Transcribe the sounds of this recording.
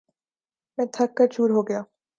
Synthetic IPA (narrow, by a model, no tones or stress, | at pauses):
mɛ̃ːt̪ʰɐk̚kːɐɾt͡ʃuːɾɦoːɡɐjaː